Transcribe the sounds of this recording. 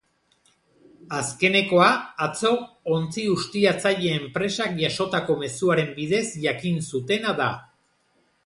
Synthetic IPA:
aske̞ne̞ko̞aat͡so̞ | ont͡siɣust̪iat͡saʎe̞ːmpɾe̞sakʝaʃo̞t̪ako̞me̞suaɾe̞mbiðe̞zʝakinsut̪e̞naða

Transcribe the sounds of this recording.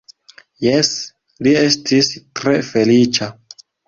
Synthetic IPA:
jes | lie̞stʰistɾe̞fe̞lit͡ʃa

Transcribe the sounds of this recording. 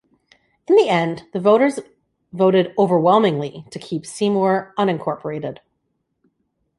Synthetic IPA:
ɨ̃nðiɛ̃nðɨvoʊɾə˞z | voʊɾɨɾoʊvə˞wɛlˠmɪ̃ŋliɾɨkʰipsĩmɔɹʌ̃nɨ̃nkʰɔɹpʰə˞eɪɾɪd̥

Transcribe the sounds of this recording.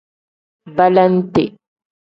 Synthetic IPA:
balant̪ɪ

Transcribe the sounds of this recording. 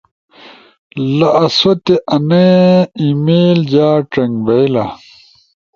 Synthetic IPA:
lɐʔɐsot̪eʔɐneimeːld͡ʑaːʈɐŋbɐjla

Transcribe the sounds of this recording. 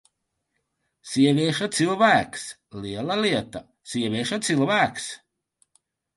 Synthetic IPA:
sʲiɛvʲiɛʃat̪silˠvæːks | liɛlˠaliɛt̪a | siɛvʲiɛʃat̪silˠvæːks

